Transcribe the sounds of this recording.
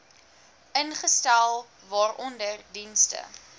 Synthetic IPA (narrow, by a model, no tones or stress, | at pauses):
ʔənχəstælˠ | vɑːrɔndərdinstə̰